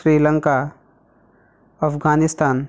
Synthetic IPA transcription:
ɾiːlə̃ŋka | əpɡaːnɪst̪ʰaːn

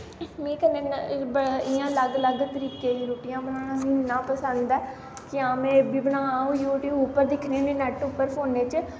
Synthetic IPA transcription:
mĩːkənenbɪjãːləɡləɡt̪əɾiːkeːiːɾuːpɪjãːbənãːnːãːpəsə̃nd̪d̪ɛː | kɪãːmẽːbiːbənãːaũjuːʈiːʊpːəɾd̪ɪkʰneːnẽːnɛʈʊpːəɾpʰoːneːt͡ʃ

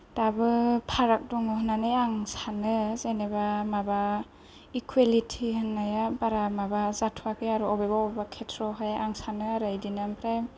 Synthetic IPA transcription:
d̥abɯpʰaɾak̚dɔŋɔɦɯnːanɯjaŋsanɯzenebamaba | ikʰwelitʰihɯnːajabaɾamabazatʰwakeaɾuɔbebaɔbbakʰetʰɾɔɦajaŋsanɯaɾajdinampʰɾajm

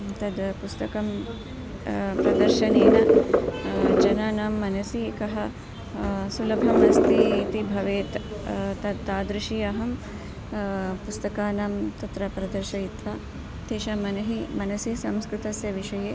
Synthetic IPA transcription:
t̪ɐd̪pust̪ɐkɐm | pɾɐd̪ɐɾʃɐneːnɐ | d͡ʒɐnaːnaːmːɐnɐsikɐɦɐ | sulɐbʱɐmɐst̪iːt̪ibʱɐʋeːt̪t̪ɐd̪t̪aːd̪ɾɪʃiːɐɦɐm | pust̪ɐkaːnaːmt̪ɐt̪ɾɐpɾɐd̪ɐɾʃɐit̪ʋaː | t̪eːʃɐmɐnɐɦimɐnɐsisɐmskɾɪt̪ɐsjɐʋiʃɐjeː

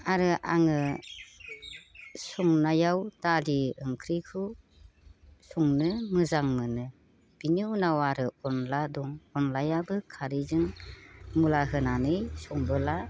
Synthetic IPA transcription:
aɾɯʔa̰ŋɯ | sɔŋnajawdaliɯŋkʰɾikʰu | sɔŋnɯmɯzaŋmɯnɯ | b̥iniunawaɾɯɔnladɔŋɔnlajabɯkʰaɾizɯŋ | mulaɦɯnanɯjsɔŋbɯla

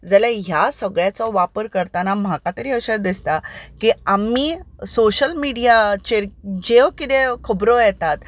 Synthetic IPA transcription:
d͡zəljaɦjasəɡɭjat͡sɔʋapəɾkəɾt̪anam̤akat̪əɾiəɕəɾd̪ist̪akiamiːsoɕəlmiɽijat͡ɕeɾd͡ʑeʋkit̪ekʰəbɾojɛt̪at̪

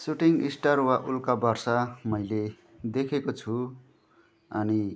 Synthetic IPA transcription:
suʈiŋɡisʈarwaʔulkabʌrsʌmʌjle | d̪ekʰekot͡sʰu | ʌni

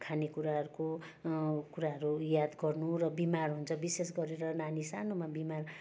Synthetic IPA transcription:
kʰanekuɾaɦʌɾuko | kuɾaɦʌɾujad̪ɡʌrnurʌbimarɦunt͡sʰʌbisesɡʌɾeɾʌnanisanomabimar

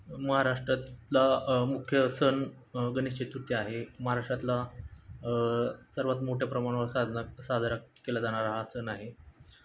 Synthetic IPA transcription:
məɦaɾaʂʈɾat̪lamukʰjəsən | ɡəneɕt͡ɕet̪ɾut̪iaɦeməɦaɾaʂʈɾat̪la | səɾʋat̪moʈʰjapɾəmaɽ̃ʋəɾad̪asad̪ʱaɾakelad͡zaɽ̃aɾaɦaəsənaɦe

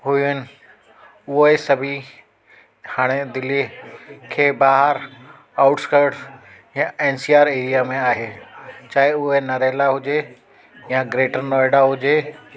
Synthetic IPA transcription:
ɦʊiʊnɪ̆ | ʊɦesɐbʱi | haːɽ̃ed̪ɪlikʰeːbaːɦəɾ | aːʊʈskəɾɖ | jãeːnsiːaːɾeːɾijamẽaːɦeːt͡ɕaːɦeʊɦenɐɾeːlaɦʊd͡ʑe | jãɡɾeːʈəɾnɔːɪɽaɦʊd͡ʑeː

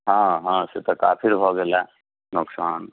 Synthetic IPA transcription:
ɦãːɦãːset̪ɔkaːpʰɪlbʱoɡela | nʊksaːn

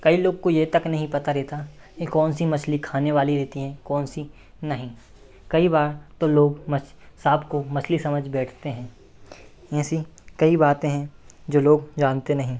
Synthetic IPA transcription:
kɐiloːɡ̚kojet̪ɐknɐɦĩpɐt̪aɾɛːt̪a | kikɔːnsimɐslikʰaːneʋaːliɾɛːt̪iɦɛ̃kɔːnsi | nɐɦĩ | kɐibaːɾt̪oloːɡmɐsaːbkomɐslisɐməd͡ʒʱbɛːʈʰt̪eɦɛ̃ː | ɛ̃ːsikɐibaːt̪ẽɦɛ̃d͡ʒoːloːɡd͡ʒaːnt̪enɐɦĩː

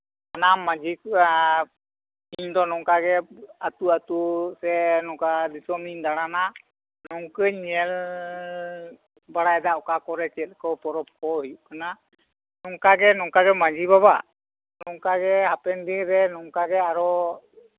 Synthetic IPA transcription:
anamːad͡ʒik | iɲd̪ɔnɔŋkaɡɛat̪uat̪usɛnɔŋkad̪isɔmiɲd̪aɽ̃ana | nɔŋkəɲɲɛl | baɽaɛd̪aʔɔkakɔɾɛt͡ʃɛt̪̚ˀkɔpɔɾɔp̚kɔjuʔkana | nɔŋkaɡɛnɔŋkaɡɛmad͡ʒibabaʔ | nɔŋkaɡɛhapɛnd̪iɾɛnɔŋkaɡɛaɾɔ

